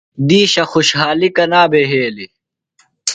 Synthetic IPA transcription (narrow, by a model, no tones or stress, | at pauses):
d̪iːɕɐxuɕɦaːlikɐnaːbeɦeːli